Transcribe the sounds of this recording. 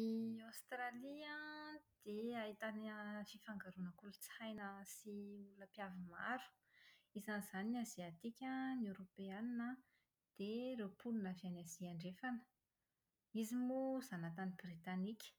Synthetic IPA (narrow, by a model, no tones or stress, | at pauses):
iawst̪ɾaliãd̪̥eait̪anfifaŋɡaɾunəkulut͡sajnəsiulunəpjavima̰ɾu̥ | izanz̥aniaziat̪ikʲaneɾopeaninə | d̪̥eɾepʰulunavianaz̥iaɳɖ͡ʐefanə̥ | izimuzanat̪anibrit̪anikʲə̥